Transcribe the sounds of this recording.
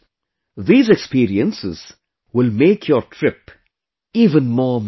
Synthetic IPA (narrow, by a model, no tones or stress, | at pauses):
ðiːzɛkspiːɾiə̃nsɪz̥ | wɪlmeːkʰjəɾʈʰɾɪp | iːvə̃nmɔːm